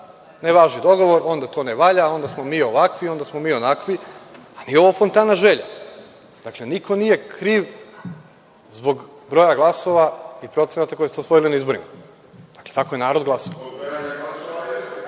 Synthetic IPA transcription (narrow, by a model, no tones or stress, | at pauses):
neʋaːʒnid̪o̞ɡo̞ʋo̞ɾʔo̞nd̪at̪oneʋaʎao̞nd̪asmomiːo̞ʋakʋio̞nd̪asmomiːonakʋianio̞ʋofont̪aːnaʒeʎa | d̪̥aklˠeniko̞nije̞kɾiːʋ | zbo̞ɡ | bɾo̞jaɡlˠaso̞ʋaipɾo̞t̪se̞nat̪akojst̪osʋo̞jilinaizbo̞ɾima | d̥̪akle̞t̪akojenaːɾod̪ɡlˠaso